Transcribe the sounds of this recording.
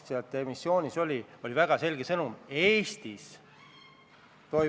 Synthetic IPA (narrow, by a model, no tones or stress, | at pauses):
siɑt̪ːˑemisːjo̞ːnʲiso̞lʲio̞lʲivæɡ̥ɑse̞lʲɡ̥e̞sɤnume̞ːst̪is | t̪o̞